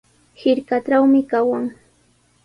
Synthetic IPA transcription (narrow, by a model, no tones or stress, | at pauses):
hɪɾkaʈ͡ʂawmɪkawaŋ